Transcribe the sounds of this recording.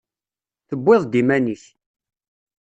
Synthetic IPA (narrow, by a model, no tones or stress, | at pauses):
θəbːɪðˤd̪imæniθ